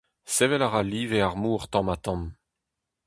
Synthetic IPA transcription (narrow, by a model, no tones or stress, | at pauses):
sevɛlaʁaliːveaʁmuːʁt̪ɑ̃mat̪ɑ̃m